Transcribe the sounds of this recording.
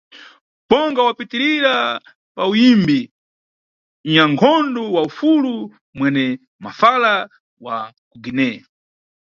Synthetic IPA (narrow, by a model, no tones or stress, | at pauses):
bɔŋɡawapitiɾiɾa | paujimbi | ɲaŋkʰɔndɔwaufulu | mwɛnɛ | mafala | wa | kuɡinɛ